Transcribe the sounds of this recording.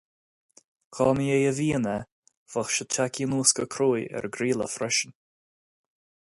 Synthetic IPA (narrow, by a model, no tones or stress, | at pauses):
kʰɑːmjejəviːnə | v̥əxʃət͡ʃʰakiːnuːskəkʰɾoːjɛ̰ɹɡɾiːlə̰fɾɛʃən